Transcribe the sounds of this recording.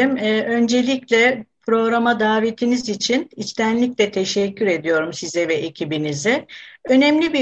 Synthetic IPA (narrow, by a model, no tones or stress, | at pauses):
imːø̞nd͡ʒe̞lʲiclʲɛpɾo̞ɡɾamad̪aːve̞t̪ʰinizit͡ʃʰinit͡ʃt̪ʰænlʲicʲlʲɛt̪ʰe̞ʃɛcʰːyɾe̞d̪ijo̞ɾumsizɛvɛʔecʰibinizɪø̞nɛmlʲibi